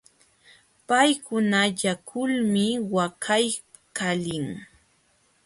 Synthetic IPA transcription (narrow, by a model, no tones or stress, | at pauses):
pajkʊnaʎakʰʊlmɪwakʰaj | kalɪŋ